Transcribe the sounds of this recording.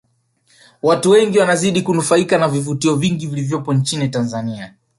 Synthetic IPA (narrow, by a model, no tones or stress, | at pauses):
watuwɛŋɡiwanaziɗikunufaikanavivutiɔviŋɡivilivjɔpɔnt͡ʃinitanzania